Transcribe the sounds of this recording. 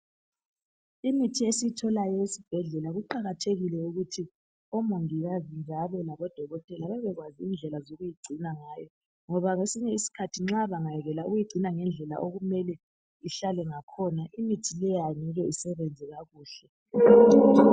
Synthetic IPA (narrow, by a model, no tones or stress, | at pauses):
imitʰiesijitʰɔlajɔisib̥ʱɛɮɛlaɣuǃaɣatʰeɣilɛuɣutʰi | ɔmoŋiɣazind͡ʒʱaβɛlaβɔd̥ʱɔɣɔtʼɛlaβɛβɛɣwaziːnd͡ɮʱɛlazoɣujiɡ͡ǀʱinaŋaːjɔ | ŋɔβaŋesiɲɛisi̥kʰatʰiŋ͡ǁaβaŋajɛɣɛlauɣujiɡ͡ǀʱinaŋɛnd͡ɮʱɛla̰ʔoɣumɛlɛ | iɬalɛŋakʰɔnaʔimitʰilɛjanɛɣɛisɛβɛnd͡zʱɛɣaɣuːɬɛ